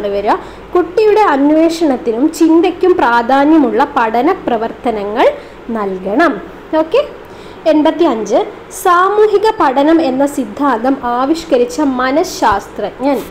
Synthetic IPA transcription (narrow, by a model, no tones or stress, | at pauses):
ɳɨʋɐɾɐ | kuʈːijuɽe̞ɐnʋe̞ːʂɐɳɐt̪ːinumt͡ɕind̪ɐkʲːumpraːd̪ʱaːnjɐmuɭːɐpɐɽɐnɐprɐʋɐrt̪ɐnɐŋːɐɭ | nɐlkɐɳɐm | oːkːe̞ | enbɐt̪ːiɐɲd͡ʑɨ | saːmuːɦiɣɐpɐɽɐnɐme̞nːɐsid̪ʱːaːnd̪ɐmaːʋiʂkɐɾit͡ɕːɐmɐnɐɕaːst̪rɐʔŋɲɐn